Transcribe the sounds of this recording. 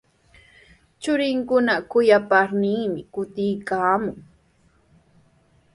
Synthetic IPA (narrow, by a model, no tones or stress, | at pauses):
t͡ʃʊɾɪŋkʊnakʊjapaɾniːmɪkʊt̪ɪjkaːmʊŋ